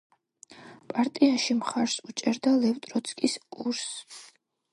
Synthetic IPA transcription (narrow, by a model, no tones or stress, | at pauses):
pʼaɾt̪ʼiaʃimχaɾsut͡ʃʼɛɾd̪alɛvt̪ʼɾɔt̪sʰkʼiskʼuɾs